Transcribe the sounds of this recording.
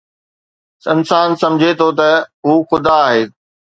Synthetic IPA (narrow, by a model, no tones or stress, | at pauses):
ɪnsaːnsɐ̃md͡ʑʱet̪ʰot̪̬ɐɦuːxʊd̪aːɦeː